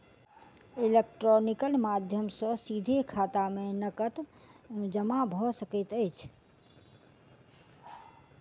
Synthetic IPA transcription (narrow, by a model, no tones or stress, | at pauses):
ilek̚ʈɾonikəlmad̪ʱjəmsə̃sid̪ʱekʰat̪amenəkət̪ | d͡ʒəmabʱɔsəkət̪əɪt͡ʃʰ